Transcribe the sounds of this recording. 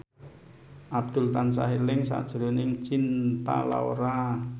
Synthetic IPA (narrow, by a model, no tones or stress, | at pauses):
ʔab̚d̪̥ʊ̤lt̪ansa̰ɦelɪŋsa̰d̥ʒ̥ɾonɪŋt͡ʃint̪a̰la̰oɾa